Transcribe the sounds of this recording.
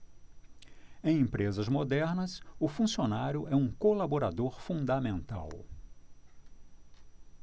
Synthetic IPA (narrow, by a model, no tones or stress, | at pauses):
ẽj̃ẽmpɾezɐzmod̪ɛɾnɐsʊfũsionaɾjʊʔɛũkolaboɾad̪oɾfũd̪ɐmẽnt̪a̰w